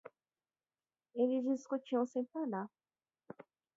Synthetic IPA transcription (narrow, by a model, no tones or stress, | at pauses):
elizd͡ʒiskut͡ʃiɐ̃w̃sẽj̃paɾla